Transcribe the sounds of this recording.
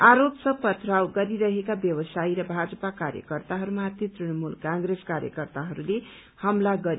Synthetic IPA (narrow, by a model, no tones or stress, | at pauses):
aɾopsʌpʌt̪ʰɾawɡʌɾiɾʌɦekabjʌbʌsaiɾʌbʱad͡zʌpakaɾjʌ̰kʌrt̪aɦʌɾumat̪jit̪rinʌmulkãŋɡreskaɾjʌ̰kʌrt̪aɦʌɾule | hʌmlaɡʌɾi